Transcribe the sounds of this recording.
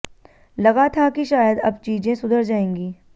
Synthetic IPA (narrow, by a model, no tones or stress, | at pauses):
lɐɣat̪ʰakiʃaːjəd̪ɐbt͡ʃiːd͡ʒẽsʊd̪ʱəɾd͡ʒaːẽːŋɡiː